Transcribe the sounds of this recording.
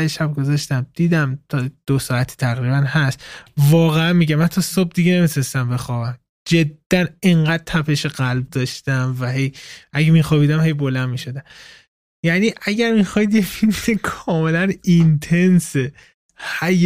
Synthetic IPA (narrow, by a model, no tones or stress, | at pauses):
eʃæb̚ɡo̞zɒʃt̪æmd̪̥iːd̪æmt̪ʰɒd̪̥osɒːæt̪ʰi̥ːt̪ʰæɣɾibænɦæst̪vɒːɣeænmiɟæmːænt̪ʰɒsob̚d̪iɟene̞mit̪ʰune̞st̪æmbe̞xɒːbæm | d͡ʒe̞d̪̥ːæne̞ŋɢæd̪̚t̪ʰæpʰeʃeɢælb̚d̪ɒːʃt̪æmvæɦe̞jʔæɟemiːxɒːbid̪æmhe̞jbolænmiʃod̪æm | jæniːʔæɟæɾmixɒid̪jefilmkʰɒːme̞lænint̪ʰe̞nse | hæj